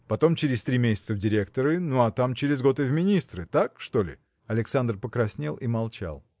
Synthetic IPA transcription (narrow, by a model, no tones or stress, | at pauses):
pɐt̪o̞mt͡ɕɪɾʲɪsʲt̪ɾʲimʲesʲɪ̥t̪səvdʲɪɾʲe̞kt̪əɾɨnuɐt̪amt͡ɕɪɾʲɪzɡo̞t̪ɨvʲmʲɪnʲist̪ɾɨt̪akʂt̪o̞lʲɪ̰ | ɐlʲɪksand̪rpəkɾɐsʲnʲelˠʔimɐlˠt͡ɕa̰lˠ